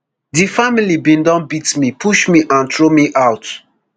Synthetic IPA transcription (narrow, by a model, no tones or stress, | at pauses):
difamilibĩndɔ̃nbitmipʰuʃmiʔãntɹomiʔaʊt